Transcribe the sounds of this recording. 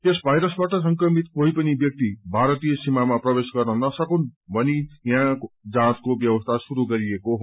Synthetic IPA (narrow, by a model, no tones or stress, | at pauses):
t̪esbʱajɾʌsbaʈʌs̬ʌŋkrʌmit̪koɦipʌnibjʌk̚t̪ibʱaɾʌt̪ijʌsimamaprʌbesɡʌrnʌnʌsʌkunbʱʌnijãd͡zãskobjʌbʌst̪ʰasuɾuɡʌɾiekoɦ